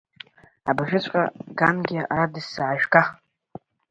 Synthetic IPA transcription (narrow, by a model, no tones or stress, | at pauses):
abaʒᶣɪt͡ɕʷʰʼqʼa̰ɡanɡʲɪa̰ɾadɨsːaʕaʒᶣɡa